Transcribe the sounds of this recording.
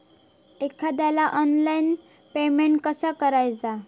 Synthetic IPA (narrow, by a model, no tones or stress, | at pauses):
ekʰad̪jalaʔɔnlain | pemeɳʈ̚kəsakəɾajd͡za